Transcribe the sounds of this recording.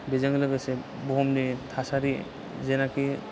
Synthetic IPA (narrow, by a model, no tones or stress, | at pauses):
bezaŋlɯɡɯse | bomnit̪ʰasaɾi | zenaki